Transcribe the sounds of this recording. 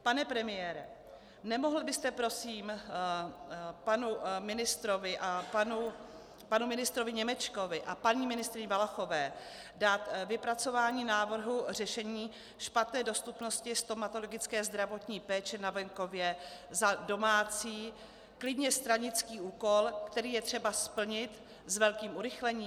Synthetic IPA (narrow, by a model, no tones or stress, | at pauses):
panɛpɾɛmɪjɛːɾɛ | nɛmo̞ɦl̩bɪst̪ɛpɾo̞siːm | panumɪnɪst̪ɾo̞vɪʔapanu | panumɪnɪst̪ɾo̞vɪɲɛmɛt͡ʃko̞vɪʔapaɲiːmɪnɪst̪ɾɪɲɪvalaxo̞vɛː | daːt̪vɪpɾat͡so̞vaːɲiːnaːvr̩ɦur̝ɛʃɛɲiː | ʃpat̪nɛːdo̞st̪upno̞scɪst̪omat̪o̞lo̞ɡɪt͡skɛːzd̪ɾavo̞t̪ɲiːpɛːt͡ʃɛnavɛŋko̞vjɛzado̞maːt͡siː | klɪdɲɛst̪ɾaɲɪt͡skiːuːko̞lkt̪ɛɾiːjɛt̪r̝̥ɛbaspl̩ɲɪt̪ | zvɛlkiːmʔuɾɪxlɛɲiː